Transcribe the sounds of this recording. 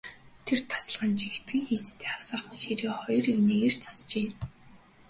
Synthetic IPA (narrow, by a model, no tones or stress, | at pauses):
t̪ʰert̪ʰḁsə̆ɮʁə̆nt͡ɕixʰt̪ɡɘ̆ŋxiːt͡st̪ʰeːaw̥saːrχniʃiɾeːχɔjrikneɣer̥t͡sʰḁst͡ɕeːn